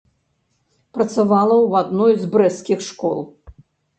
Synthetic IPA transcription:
pɾɐt̪savalˠɐwad̪nɔjzbɾɛskʲixʂkɔ̰lˠ

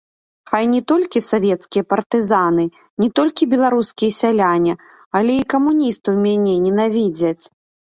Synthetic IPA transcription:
xajnʲɛt̪ɔlʲkʲisavʲɛt̪skʲijɐpɐrt̪ɨzanɨ | nʲɛt̪ɔlʲkʲibʲɛlˠaɾuskʲijɐsʲalʲanʲɛ | ɐlʲɛikɐmunʲist̪ɨwmʲanʲɛnʲɛnavʲid͡zʲɐt͡sʲ

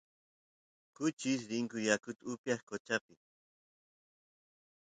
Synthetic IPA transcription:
kʊt͡ʃɪs̬ɾɪŋkʊjakʊt̪ʊpjaχkot͡ʃapɪ

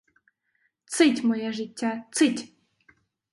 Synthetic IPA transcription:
t͡sɨtʲmojaʐɨtʲːat͡sɨtʲ

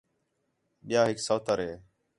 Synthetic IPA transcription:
ɓɪjaːɦɪksəːt̪ʰəɾɦeː

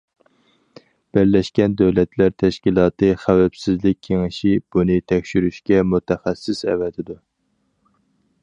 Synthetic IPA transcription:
b̥æɾlɛʃkʲɛnd̪øwlɛt̪ʰlæɾt̪ʰɛʃkʲilˠɑːt̪ɨχæwɛpsɪzlɪk̚ʲʰːeŋɪʃib̥unɨt̪ʰɛkʲʃyɾyʃkʲɛmut̪ɛχæsːɪsɛ̰vɛt̪ʰɪd̪u

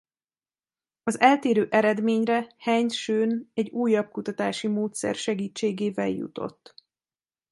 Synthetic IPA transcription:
ɒzɛlt̪eːɾøːʔɛɾɛd̪meːɲrɛhɛɲt̪ʃøːnɛɟːuːjːɒb̚kut̪ɒt̪aːʃimoːt̪sɛ̰rʃɛɡiːt͡ʃːeːɡeːvɛljṵt̪o̞̰t̪ː

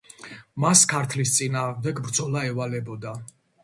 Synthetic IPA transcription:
maskʰaɾt̪ʰlist̪sʼinaːʁmd̪ɛɡbɾd̪zɔlaɛvalɛbɔd̪a

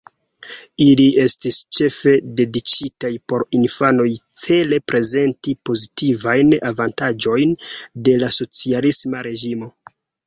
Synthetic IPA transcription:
ilie̞stist͡ʃe̞fe̞de̞dit͡ʃitajpo̞ɾinfano̞jt͡se̞le̞pɾe̞ze̞ntipo̞zitivajna̰vantad͡ʒo̞jnde̞laso̞t͡sialismaɾe̞ʒimo̞

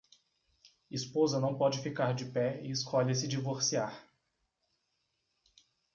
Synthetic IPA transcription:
ispozɐnɐ̃w̃pɔd͡ʒɪfikaɾd͡ʒɪpɛɪɪskʰɔʎɐs̬ɪd͡ʒivoɾsiaɾ

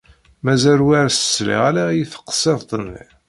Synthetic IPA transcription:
mæzælwæɾsə̥slḭʁlæjiθə̥qːə̥sˤeðˤt̪ˤənːḭ

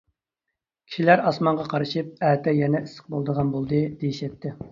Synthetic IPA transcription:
kʲʰi̥ʃilæɾɑsmɑɴʁɑqʰɑɾɨʃɨp̚ɛːt̪ɛjɛnɛisə̥q̚bolˠd̪əʁɑnbolˠd̪ɨd̪̥ejiʃɛt̪ːɪ

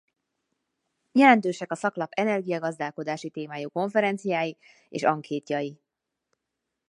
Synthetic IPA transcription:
jɛlɛnt̪øːʃɛkɒsɒklɒpɛnɛrɡijɒɡɒzd̪aːlko̞d̪aːʃit̪eːmaːjuːko̞ɱfɛɾɛnt̪sijaːji | ḛːʃɒŋkʰeːt̪jɒji

